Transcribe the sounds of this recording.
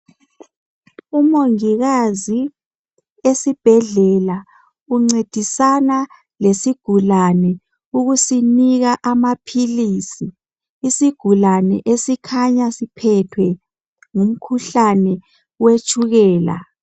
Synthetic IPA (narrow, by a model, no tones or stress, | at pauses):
umoŋiɣazi | esib̥ʱɛɮɛla | uŋ͡ǀed̥ʱisana | lesiɡ̥ʱulanɛ | uɣusiniɣaʔamapʰilisiː | siɡ̥ʱulanɛ̰ʔesikʰaɲasipʰɛtʰwɛ | ŋum̩kʰuɬanɛ | wet͡ʃʰʼuɣɛːla̰